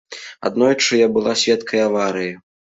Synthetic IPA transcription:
a̰d̪nɔjt͡ʂɨjabɨlˠasʲvʲɛt̪kʰɐjavaɾɨji

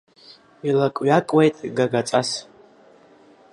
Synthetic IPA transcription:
ilakʼɥakʼwejtʼɡaɡat͡sʼas

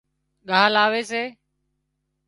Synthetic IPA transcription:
ɠaːlaːʋeːseː

